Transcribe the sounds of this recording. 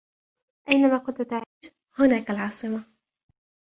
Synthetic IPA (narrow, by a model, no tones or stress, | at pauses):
ʔajnamaːqʊnt̪ʊt̪aʕiːʃ | hʊnaːkalʕɑːsˤɨma